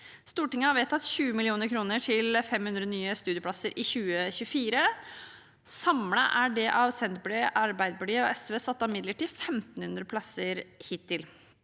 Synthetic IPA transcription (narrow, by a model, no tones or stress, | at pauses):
st̪uːʈɪŋːəhɑɾʋɛt̪ʰːɑt̪ːɕʉːəmɪlɪuːnəɾkʰɾuːnəʈʰɪlfɛmhʉnd̪ɾənyːəst̪ʉːd̪ɪəpʰlɑsəɾʔɪçʉːəçʉəfiːɾə | sɑmləʔæɖɛʔɑʋsɛnt̪̚bleɑɾbæɪd̪bəɖyːɔʔɛsʋeːsɑt̪ːɑmɪd̪ləʈiːd̪fɛmt̪n̩hʉnd̪ɾəpʰlɑsəɾhɪːt̪ʰːɪl